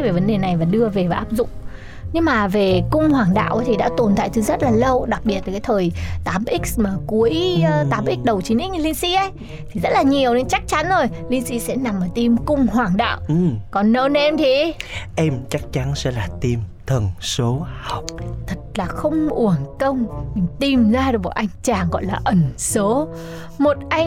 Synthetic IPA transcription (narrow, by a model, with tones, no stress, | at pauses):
ve˨˩və˨˦nɗe˨˩na˨˩jvaː˨˩ɗɨ˧əve˨˩vaː˨˩ʔaː˦˥p̚zʊ̰˧˨ŋ͡m | ɲɨ˧ŋmaː˨˩ve˨˩kʊ˧ŋ͡mhwaː˨˩ŋɗa̰ː˧˨wʔa˨˦t̪ʰi˨˩ɗa̰ː˧˥t̪o˨˩nt̪ʰa̰ː˧˨jt͡ɕɨ˨˧˦zə˦˥t̚laː˨˩lə˧wɗa˨˩k̚ɓi˨˩ət̚vaː˨˩kːjt̪ʰəː˨˩jt̪aː˨˦mʔi˦˥k̟̚maː˨˩ku˨˦əjt̪aː˨˦mʔi˦˥k̟̚ɗə˨˩wt͡ɕi˨˦nʔi̟˦˥˧li˧nsḭ˧˥ʔə˦j | t̪ʰi˨˩zə˦˥t̚laː˨˩ɲi˨˩əwne˨˧˦nt͡ɕa˦˥k̚t͡ɕa˨˦nzo˨˩jli˧nsḭ˧˥sɛ̰˧˥na˨˩mʔəː˧˩t̪i˧mkʊ˧ŋ͡mɦwaː˨˩ŋɗa̰ː˧˨wɨ˨kɔ˨˩nːə˧n˧ɛ˧mt̪ʰi˨˩ʔɛ˧mt͡ɕa˦˥k̚t͡ɕa˨˦nsɛ̰˧˥laː˨˩t̪i˧mt̪ʰə˨˩nso˨˦ha˨˩wk͡p̚t̪ʰə˨˩t̚laː˨˩xə˧wŋ͡mʔu˧˩əŋkə˧wŋ͡mmï˨˩ŋ̟t̪i˨˩mzaː˧˨˩vɔ̰˧˩ʔa˧jŋ̟t͡ɕaː˨˩ŋɣɔ̰˧˨jlaː˨˩ʔə˨˧˩nso˨˦ | mo˨˩t̚ʔa˧j